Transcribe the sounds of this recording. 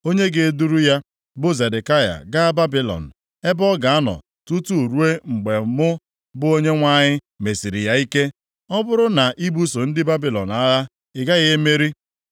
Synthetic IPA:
o˦ɲe˦ɡe˨e˨du˦ɾu˦ja˦ | bʊ˦ze˨de˨ka˦ja̰˨ɡa˦a˦ba˦bi˨lɔ̰˨n̩˨ | e˦bɔ˦ɡa˨a˦nɔ̰˨ | tu˦tu˦˨ɾu˦e˦ŋ͡m̩˨ɡ͡be˨˦mʊ˦ | bʊ˦o˦ɲe˦ŋʷa˦ɲɪ˦ | me˨si˨ɾi˨ja˦i˦ke˦ | ɔ˦bʊ˦ɾʊ˦na˨ʔi˦bu˦so˨n̩˦dɪ˦ba˦bi˨lɔ̰˨n˨a˦ɣa˦ | ɪ˨ɡa˦ɣe˦me˦ɾi˦

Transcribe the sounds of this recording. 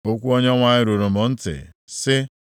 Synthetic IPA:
o˦kʷu˦o˦ɲe˦ŋʷa˨ɲɪ˦ɾu˨ɾo˨mʊ˨n̩˦tɪ̰˨ | sɪ˦

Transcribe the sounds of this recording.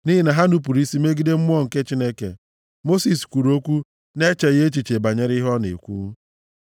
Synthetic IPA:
ni˦ɦi˨na˨ɦa˦nu˦p̬u˨ɾi˦si˦me˦ɡi˦de˦m̩˦m˦ɔ˦ŋ̩˨ke˦t͡ʃi˦ne˦kḛ˨ | mo˦si˨skʷu˨ɾo˦kʷu˦ | ne˦t͡ʃe˨ɣe˦t͡ʃi˨t͡ʃe˨ba˨ɲe˦ɾi˦ɦɔ˦nḛ˨kʷṵ˦

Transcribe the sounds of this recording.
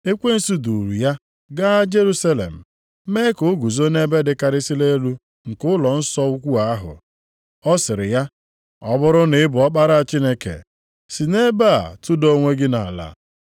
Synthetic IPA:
e˦kʷe˦n̩˦su˦du˨ɾu˨ja˦ | ɡa˦d͡ʒe˦ɾu˦sa˦lḛ˨m̩˨ | me˦ko˦ɡu˨zo˦ne˦be˦dɪ˦ka˦ɾɪ˦si˦le˦lu˦ | ŋ̩˨kʊ˦ʊ˦lɔ˨n̩˦sɔ˦u˦kʷu˦a˦a˦ɦʊ̰˨ | ɔ˦sɪ˨ɾɪ̰˨ja˦ | ɔ˦bʊ˦ɾʊ˦nɪ˨˦bʊ˨ɔ˦k͡pa˦ɾa˦a˨t͡ʃi˦ne˦kḛ˨ | si˨ne˦ba̰˦˨tʊ˦do˦ŋʷe˦ɡɪ˦na̰˨a˨la̰˨

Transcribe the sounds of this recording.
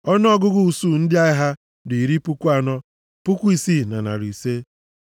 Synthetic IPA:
ɔ˦n˦ɔ˦ɡʊ˦ɡʊ˦u˨su˦n̩˦dɪ˦a˦ɪ˦ɦa˦ | dʊ˨i˨ɾi˦pu˦kʷu˦a˦nɔ˦ | pʊ˦kʷu˦i˨si˦na̰˨na̰˨ɾʊ˨i˨se˦

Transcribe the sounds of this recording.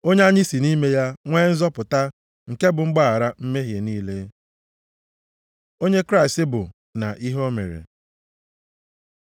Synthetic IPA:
o˦ɲe˦a˦ɲɪ˦si˨ni˦me˦ja˦ŋʷeː˦n̩˦zɔ˦pʊ˨ta˦ | ŋ̩˨ke˦bʊ˨ŋ͡m̩˦ɡ͡ba˦˨a˨ɾa˦m̩˦me˦ɦje˨niː˦le˦ | o˦ɲe˦kɾa˦ɪ˨stɪ˦bʊ˨ | na˨ʔi˦ɦo˦mḛ˨ɾḛ˨

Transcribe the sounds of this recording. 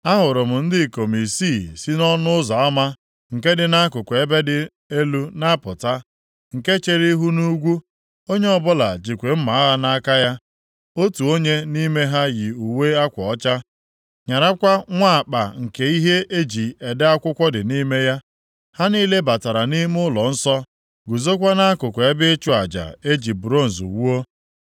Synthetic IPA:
a˦ɦʊ˨ɾʊ˨m̩˨n̩˦dɪ˦˨ko˨mi˨si˦˨si˦nɔ˦nʊ˦ʊ˦zɔ˨a˦ma˦ | ŋ̩˨ke˦dɪ˦na˦kʊ˨kʷe˦be˦dɪ˦ | e˦lu˦na˦pʊ˨ta˦ | ŋ̩˨ke˦t͡ʃe˨ɾi˦ɦu˦nu˦ɡʷu˦ | o˦ɲe˦ɔ˦˨bʊ˦la̰˨d͡ʒi˨kʷe˨m̩˦ma˨˦a˦ɣa˦na˦ka˦ja˦ | o˦tu˨o˦ɲe˦ni˦me˦ɦa˦ɣi˨u˨we˦a˦kʷɔ˨ɔ˦t͡ʃa˦ | ɲa˨ɾa˦kʷa˦ŋʷa˦˨k͡pa˨ŋ̩˨ke˨i˦ɦe˦ʔe˦d͡ʒi˨e˨dɪ˦a˦kʷʊ˦kʷɔ˦dɪ˨ni˦me˦ja˦ | ha˦ni˦le˦ba˨ta˨ɾa˨ni˦m˦ʊ˦lɔ˨n̩˦sɔ˦ | ɡu˨zo˦k̬ʷa˦na˦a˦kʊ˨kʷɔ˨e˦bɪ˦e˦t͡ʃʊ˦a˨d͡ʒa̰˨e˦d͡ʒi˨bɾo˦˨n̩˨zṵ˨wu˦o˦

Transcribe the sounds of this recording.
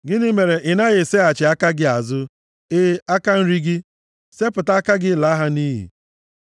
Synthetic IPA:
ɡɪ˦nɪ˦me˨ɾe˨ʔɪ˨na˦ɣɪ˨se˦a˨t͡ʃɪ˨a˦ka˦ɡɪ˦a˨zʊ˦ | ɪ˦a˦ka˦n̩˦ɾi˦ɡɪ˦ | se˦pʊ˨ta˦a˦ka˦ɡɪ˦˨la˨˦ɦa˦ni˦ɦḭ˨

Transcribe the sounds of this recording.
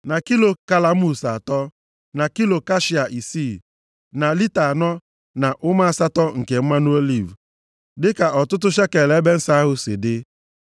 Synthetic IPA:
na˨ki˦lo˨ka˨la˦mu˦sa˨tɔ˦ | na˨ki˦lo˨ka˦ʃi˨a˨ʔi˨si˦˨ | na˨li˦ta˨nɔ˦ | na˨ʔʊ˦ma˦a˦˨sa˦tɔ˦ŋ̩˨ke˨m̩˦ma˦no˦o˦li˨v | dɪ˦ka˨ʔɔ˨tʊ˦t̬ʊ˦ʃe˦ke˨le˨˦be˦n̩˦sa˦ɦʊ˦sɪ̰˨dɪ˦

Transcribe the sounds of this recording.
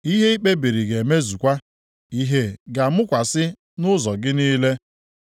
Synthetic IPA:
i˦ɦe˦i˦k͡pe˦bi˨ɾi˨ɡe˨me˦zu˨kʷa˦ | i˦ɦe˦ɡa˨mʊ˦kʷa˨sɪ˦ | nʊ˦zɔ˨ɡɪ˦niː˦le˦

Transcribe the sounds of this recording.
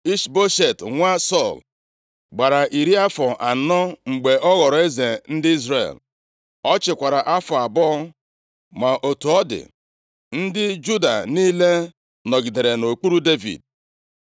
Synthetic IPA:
i˦ʃbo˦ʃe˨tŋʷa˦sɔ˦˨l | ɡ͡ba˨ɾa˨ʔi˨ɾi˦a˦fɔ˨ʔa˨˦nɔ˦ŋ͡m̩˨ɡ͡be˨ʔɔ˦ɣɔ˨ɾɔ˨˦e˦ze˨n̩˦dɪ˦i˦zɾḛ˨l | ɔ˦t͡ʃɪ˨kʷa˨ɾa˨ʔa˦fʊ˨a˨bɔ˦ | ma˨ʔo˨tu˨ɔ˦dɪ̰˨ | n̩˦dɪ˦d͡ʒu˦da̰˨niː˦le˦ | nɔ˨ɡi˨de˨ɾe˨no˨k͡pu˦ɾu˦de˦vḭ˨d̚

